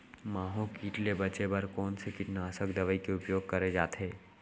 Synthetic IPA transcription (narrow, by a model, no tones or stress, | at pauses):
mãːɦõkiːʈlebɐt͡ʃebɐɾkɔːnsekɪʈnaːsəkd̪ɐʋəikeʊpjoːɡ̚kɐɾed͡ʒaːt̪ʰɦeː